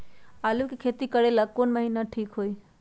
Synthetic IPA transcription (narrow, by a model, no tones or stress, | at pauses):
alukekʰet̪ikəɽelaɡ̚konməɦinaʈʰiːkɦoi